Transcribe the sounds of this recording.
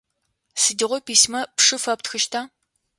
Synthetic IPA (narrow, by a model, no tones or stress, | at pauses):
sɨdiʁʷɔpiːsmɐpʂɨfɐptxɨʃtʰaː